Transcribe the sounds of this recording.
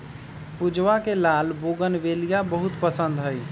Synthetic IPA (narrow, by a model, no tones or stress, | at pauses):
pud͡ʒʋakelalboɡənbelijabəɦut̪pəsənd̪ɦəj